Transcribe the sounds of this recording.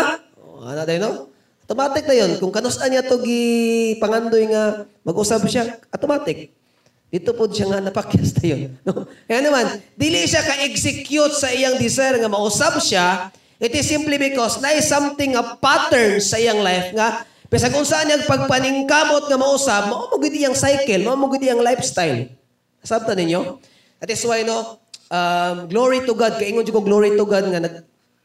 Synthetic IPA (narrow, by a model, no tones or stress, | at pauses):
ʔo̰ʔa̰nad̪ɐjno | ɐt̪omaːt̪ɪk̚nɐjonkʊŋkɐnʊsanjat̪oɡɪpɐŋand̪ojŋɐmɐɡʊsabʃaʔɐt̪omaːt̪ɪk̚ | d̪̥iːt̪opʊd̪̚ʃaŋanɐpakjast̪ɐjonːokɐjanɐmand̪iːlɪʔʃakɐʔɛksɪkjʊt̪sɐʔɪjaŋd̪ɪsajɾŋɐmɐʔʊsab̚ʃa | ʔɪt̪ɪsɪmplibɪkɔsnɐʔajsamt̪ɪŋːɐpat̪ɛɹnsːɐʔɪjaŋlajfŋɐ | pɛsɐɡʊnsɐʔanjaŋpɐɡ̚pɐnɪŋkaːmot̪̚ŋɐmɐʔʊsab̚mɐʔoːmʊɡɪd̪ʔɪjaŋsajkɛlmɐʔomʊɡɪd̪ʔɪjaŋlajfst̪ajl | ɐsab̚t̪ɐnɪɲjo | ʔɐt̪̚ːɪswajnoʔamɡloɹit̪ʊɡad̪̚kɐʔiŋond͡ʒɪkoŋɡloɹit̪ʊɡad̪̚ŋɐnɐɡ̚